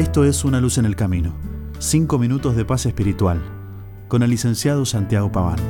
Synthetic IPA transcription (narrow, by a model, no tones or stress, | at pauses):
est̪o̞esunalusenelkamĩno | siŋko̞mĩnut̪o̞zðepasespiɾit̪wal | ko̞nelːise̞nsjað̞osant̪jaɣopaβa̰n